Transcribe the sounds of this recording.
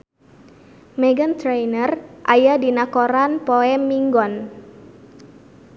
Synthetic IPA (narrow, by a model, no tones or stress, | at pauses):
mɛɡənt̪ɾejnərʔajadinakoɾanpoɛmːiŋɡɔn